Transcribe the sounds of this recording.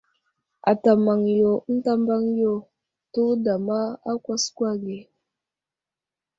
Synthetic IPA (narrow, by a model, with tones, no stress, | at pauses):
a˨ta˨ma˨ŋjo˨n̩˦ta˦mba˦ŋjo˦˨ | tu˦da˨ma˦a˦kʷa˦skwa˦ɡe˨